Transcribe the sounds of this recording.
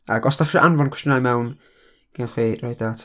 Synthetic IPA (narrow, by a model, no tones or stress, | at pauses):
a̰ɡɔsd̥aχʃɔʔanvɔnkʰwɛstjənajmɛwn | ɡ̥anχwiːrajdatʰ